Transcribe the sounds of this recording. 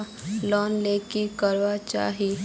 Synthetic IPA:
lɔːnleːkikəɾʋat͡ʃa̰ːɦi

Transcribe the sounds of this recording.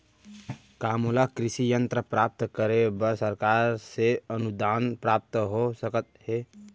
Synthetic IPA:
kamulakɾisijənt̪ɾəpɾap̚t̪kəɾebəɾsəɾkaɾseənud̪anpɾap̚t̪ɦosəkət̪̚he

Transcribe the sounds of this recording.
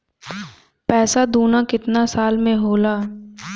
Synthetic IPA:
pɛːsad̪uːnakɪt̪nasaːlmẽɦoːlaː

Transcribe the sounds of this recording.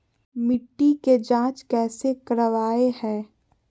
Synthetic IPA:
mɪʈːiked͡ʒãːt͡ʃkɛːsekəɾəʋaːehɛ̃ː

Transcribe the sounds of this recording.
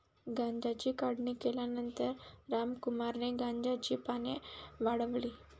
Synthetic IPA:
ɡãɲd͡ʑat͡ɕiːkaɽɳiːkeljanənt̪əɾːamkumaɾneɡãɲd͡ʑat͡ɕiːpaneʋaɽəʋliː

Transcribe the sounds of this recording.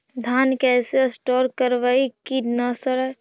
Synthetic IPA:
d̪ʱankɛsesʈɔɾkəɾʋaikinəsəɾə

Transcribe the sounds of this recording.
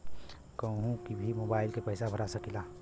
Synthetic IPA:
kəɦũkibʱimoːbaːɪlkepəjsabʱəɾasəkila

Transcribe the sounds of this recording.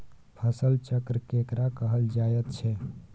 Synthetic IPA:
pʰəsəlt͡ʃəkɾəkekɾakəɦəld͡ʒajət̪t͡ʃʰɛ

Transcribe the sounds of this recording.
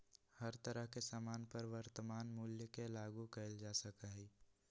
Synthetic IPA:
həɾt̪əɾəɦkesaːmaːnpəɾʋəɾt̪əmaːnmuljəkelaːɡukəɪld͡ʒaːsəkaɦi

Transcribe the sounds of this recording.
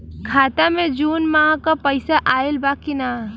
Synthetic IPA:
kʰaːt̪amẽd͡ʒuːnmãːkapəɪsaʔaːɪlbaːkina

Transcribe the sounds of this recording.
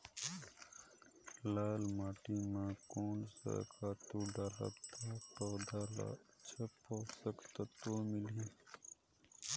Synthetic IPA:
laːlmaːʈimãːkoːnsə̰kʰaːt̪uɖaːla̰t̪ʰaːʈoːɖ̪ʱaːla̰t͡ʃʰəpːoːsəkt̪at̪oːmɪliː

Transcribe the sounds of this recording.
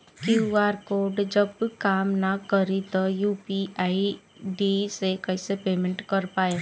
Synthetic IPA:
kjuuaːɾkoːɾɖd͡ʒəbkaːmnakəɾit̪ojuːpiaːi | ɖisekɛɪsepeːmẽɳʈkɐɾpaːe

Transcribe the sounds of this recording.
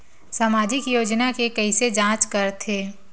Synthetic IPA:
saːmaːd͡ʒɪkjoːd͡ʒnakekɐised͡ʒãːt͡ʃkɐɾt̪ʰeː

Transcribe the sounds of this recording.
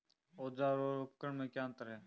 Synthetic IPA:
oːd͡ʒaːɾoːokəɳmẽːkjaːnt̪əɾɦeː

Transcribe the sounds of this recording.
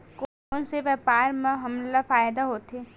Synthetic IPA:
ko | nseʋɛːpaːɾmẽɦɐmlafaːjd̪aɦoːt̪eː

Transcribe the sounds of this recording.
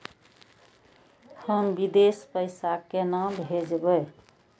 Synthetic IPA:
həmbid̪espəɪsakenambʱed͡ʒbəj

